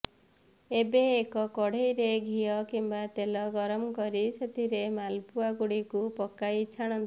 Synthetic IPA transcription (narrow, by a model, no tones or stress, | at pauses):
ebeːkɔkɔɽ̤ejɾeɡʱijɔkimbat̪elɔɡɔɾɔmkɔɾiset̪ʰiɾemalpuaɡuɽikupɔkːajt͡ʃʰaɽ̃ɔnt̪ʰi